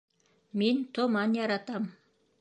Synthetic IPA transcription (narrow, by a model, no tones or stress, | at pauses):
mint̪ŏmɑnjɑɾɑt̪ɑm